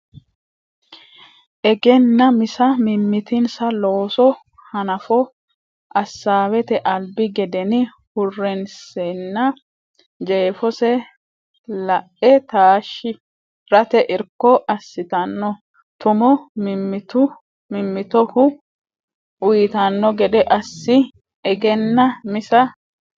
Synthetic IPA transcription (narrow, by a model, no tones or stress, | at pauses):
ʔɛɡɛnːɐmɪsɐmɪmːɪt̪ɪnsɐloːsɔ | hɐnɐfɔ | ʔɐsːaːwɛt̪ɛʔɐlbɪɡɛd̪ɛnɪ | hʊrːɛnsɛnːɐ | d͡ʒeːfɔsɛ | lɐʔɛt̪aːʃːɪ | ɾɐt̪ɛʔɪɾkːɔʔɐsːɪt̪ɐnːɔ | t̪ʊmɔmɪmːɪt̪ʊ | mɪmːɪt̪ɔhʊ | ʊjɪt̪ɐnːɔɡɛd̪ɛʔɐsːɪ | ɛɡɛnːɐmɪsɐ